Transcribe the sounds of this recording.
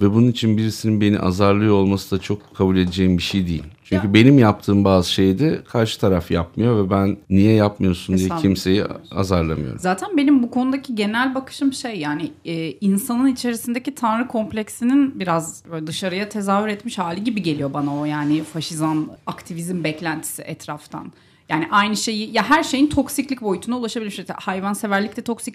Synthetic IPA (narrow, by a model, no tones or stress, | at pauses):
vɛbununit͡ʃʰinbiɾisininbe̞nḭʔa̰zaɾlˠɯjo̞lˠmasɯd̪at͡ʃʰo̞kkʰːabuːlʲed̪ed͡ʒejimbiʃejd̪ijḭlʲt͡ʃʰyɲcybe̞nimjap̚t̪ʰɯːmbaːzɯʃejd̪ɛkʰaɾʃɯ̥t̪ʰaɾafjap̚mɯjo̞vɛbænːijɛjapmɯjo̞sund̪ijɛimse̞jia̰zaɾlˠamɯjo̰ɾuzaːt̪ʰænbe̞nimbukʰo̞nud̪acʰiɟe̞nælʲbakɯ̥ʃɯmʃejːaːnɪɛːinsanɯnit͡ʃʰe̞ɾisind̪ecit̪ʰanɾɯkʰo̞mplʲɛcsininbiɾazbøːlʲɛd̪ɯʃaɾɯjat̪ʰe̞zaːɦyɾɛt̪miʃhaːlʲiɟibiɟe̞lʲijo̞banao̞jaːnɪfaʃizanakt̪ʰivizmbɛclʲænt̪ʰi̥siʔɛt̪ʰɾaft̪ʰa̰n | jaːniʔajnɯʃe̞jijaɦæɾʃe̞jint̪ʰo̞ksiclʲicbo̞jyt̪ʰunaulˠaʃabilʲmʃɛ̰hajvanse̞væɾlʲict̪ɛt̪ʰo̞ksicʲ